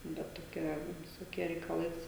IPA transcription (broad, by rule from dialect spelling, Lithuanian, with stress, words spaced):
ˈbʲɛt toːˈkʲɛ ʋʲɪsoːˈkʲiɛ rʲɛɪkɐˈlˠɐɪs